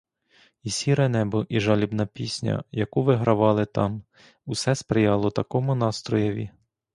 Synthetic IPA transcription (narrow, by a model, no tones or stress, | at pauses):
isʲiɾɛnɛbʊʔiʒɑlʲibnɐpʲisʲnʲɐ̰jɐkuʋɪɦɾɐʋɑlˠɪt̪ɑm | usɛspɾɪjɑlˠɔt̪ɐkɔmʊnɑst̪ɾɔjɐʋʲḭ